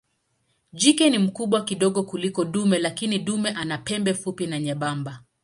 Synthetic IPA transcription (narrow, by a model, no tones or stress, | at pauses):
d͡ʒikɛnim̩kuɓwakiɗɔɠɔkulikɔɗumɛlakiniɗumɛʔanapɛmbɛfupinaɲɛɓamba